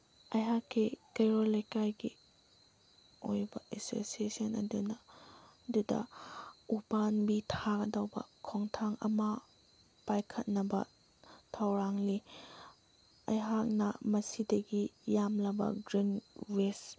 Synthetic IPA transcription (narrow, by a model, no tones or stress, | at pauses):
ɐjɦakːikejɾɔlɐjkajɡi | ojbɐʔeso̰siesɔnɐ̰dunɐdudɐ̰upanbitʰakdawbɐ̰kʰɔŋtʰaŋɐ̰ma | pajkʰɐt̚nɐbɐ̰ | tʰawɾaŋli | ɐjɦak̚nɐmɐsideɡijamlɐbɐ̰ɡɾinwes